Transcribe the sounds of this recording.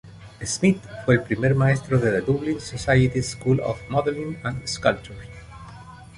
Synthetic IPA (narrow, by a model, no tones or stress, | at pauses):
esmit̪fwelpɾimeɾmaest̪ɾoðelad̪ublĩnsosajət̪iskulɔ̰fmɔðəɾnĩnãnd̪skalt͡ʃuɹ